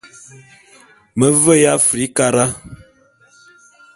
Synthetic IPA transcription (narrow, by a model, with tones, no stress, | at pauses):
mə˨və˦ja˦fɾi˨˦ka˦ɾa˦